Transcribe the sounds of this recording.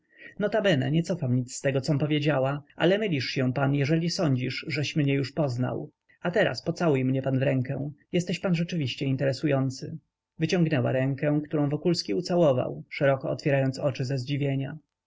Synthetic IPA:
nɔt̪abɛnɛ̰ɲɛt̪sɔfamɲit̪st̪ɛɡɔt̪sɔmpɔvʲjed͡ʑawaa̰lɛmɘlʲiʂɕɛ̃panjɛʐɛlʲisɔɲd͡ʑiʂʐɛɕmɲɛjuʂpɔzna̰w | at̪ɛɾa̰spɔt̪sawujmɲɛpanvɾɛŋkɛ̃jɛst̪ɛɕpanʐɛt͡ʂɘvʲiɕt͡ɕɛint̪ɛɾɛsujɔnt̪sɘ | vɘt͡ɕɔ̃ŋɡnɛwa̰ɾɛŋkɛ̃kt̪uɾɔ̃w̃vɔkulskʲiut̪sawɔva̰wʂɛɾɔkɔɔ̰t̪fʲjɛɾajɔnt̪sɔt͡ʂɘzɛzd͡ʑivʲjeɲa

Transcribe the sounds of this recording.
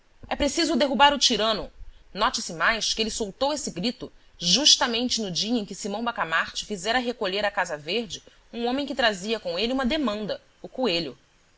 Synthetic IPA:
ɛpɾesizʊd̪eɦubaɾʊt͡ʃiɾɐ̃nʊnɔt͡ʃɪsɪmajʃkɪelɪsowt̪owesɪɡɾit̪ʊʒuʃt̪ɐmẽnt͡ʃɪnʊd͡ʒiɐẽj̃kɪsimɐ̃w̃bakamaɾt͡ʃɪfizɛɾɐɦekoʎeɾɐkazɐveɾd͡ʒɪ | ũõmẽj̃kɪt̪ɾaziɐkõeliũmɐd̪emɐ̃nd̪ɐ | ʊkueʎʊ

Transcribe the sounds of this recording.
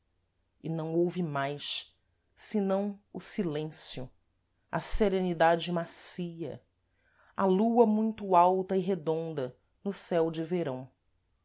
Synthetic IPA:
ɪnɐ̃w̃owvɪmajʃ | sɪnɐ̃w̃ʊsilẽsjʊ | ɐ̰seɾenid̪ad͡ʒɪmasiɐ̰ | ɐluɐmũj̃t̪ʊawt̪ɐiɦed̪õnd̪ɐ | nʊsɛwd͡ʒɪveɾɐ̃w̃

